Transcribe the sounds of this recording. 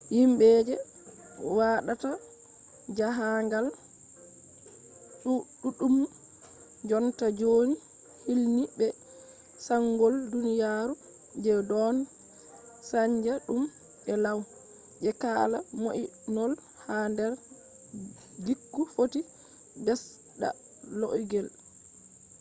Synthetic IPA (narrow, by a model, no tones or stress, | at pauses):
jimbɛːd͡ʒɛ | waɗata | d͡ʒaɦaŋɡal | ɗuɗuɗum | d͡ʒɔntad͡ʒoːni | hilnibɛ | saŋɡɔldunijaːɾu | d͡ʒɛdɔn | saɲd͡ʒaɗum | ʔɛlaw | ʔɛkaːla̰moʔinɔl | handɛɾ | ɡikːufoti | bɛs | ɗa̰ | lo̰ʔɡɛl